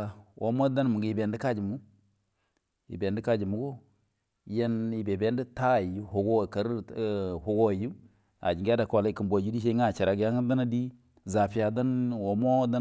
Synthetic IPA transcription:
wʔo˨˦mo˦da˦n˨mu˨ɡi˨be˨ndi˦ka˦d͡ʒi˨mu˦ | ḭ˨be˨ndi˦ka˦d͡ʒi˨mu˨ɡo˦ | je˦ni˨be˨be˨˦ndi˦ta˦˨ju˦ho˨ɡo˦˨ka˨ɾho˨ɡo˦˨ju˦ | a̰˨d͡ʒi˨ŋɡa˦da˨kʷo˨li˨ki˨mbo˨d͡ʒu˦di˦ʃ̬e˦i˦ŋ˦a˦˨t͡ʃi˨ɾa˨ɡja˦ŋ˦da˦na˦di˦ | za˨pi˨˦a˨da˦nwo˨mo˦da˦

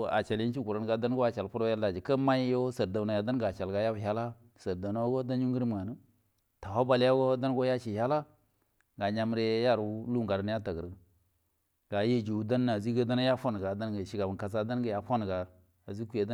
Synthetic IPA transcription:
a̰˨t͡ʃa˨lji˦t͡ʃi˦ɡu˨ɾa˨˦n˦ɡa˨da˦n˦ɡo˦a˨t͡ʃa˨lpu˦ɾja˦la˨d͡ʒi˨kə˦ma˦jo˦sə˨ɾda˨na˨ja˨da˦n˦ɡa˨t͡ʃa˨lɡa˨ja˦bha˦la˦ | sə˨ɾda˨na˦ɡo˦da˦n˦ju˦ŋ˦ɡə˦ɾi˦m˨ŋa˨nə˦ | ta˨wa˦ba˦lja˦ɡo˦da˦n˦ɡo˦ja˦ʃi˨ha˦la˦ | ɡa˨ɲa˦m˦ɾe˦ja˦˨ɾu˨˦lu˦ŋɡa˨ɾə˦n˦ja˦ta˨ɡə˨ɾ | ɡ̥a˨je˦d͡ʒu˨da˦nː˦˨a˨zi˦ɡə˦da˦na˦ja˦fo˦n˨ɡa˨da˦nɡə˨ʃi˨ɡa˨bə˨ka˨s̬a˦da˦nɡə˨ja˨fo˦n˨ɡa˨ | a˨zi˦ku˦je˨da˦

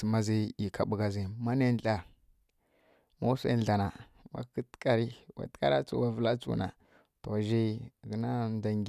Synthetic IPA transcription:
si˨ma˦zi˦i˨kʰa˨ɓu˨ɡa˨zi˨ma˦na˦ɬa˨ | mo˦sa̰˦n˦ɬa˨na˨ | wa̰˨˦kə˦tka˨ɾi˦wa̰˨tka̰˦ɾa˦t͡sṵ˦˨wa˨və˨la˦t͡sṵ˦na̰˨ | to˨ʒi˦˨ɡə˨˦na˦nda˨ŋɡ

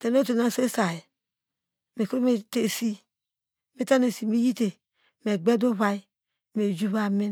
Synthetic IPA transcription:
te˨no˦to˨na˦˨se˦sa˨ji˨ | me˨ko˦me˦te˨si˦ | me˦ta˦ne˨si˨mi˦ji˦te˨ | me˨ɡ͡be˦do˦βa˦i˦ | me˨d͡ʒu˦βa˦˨mi˦

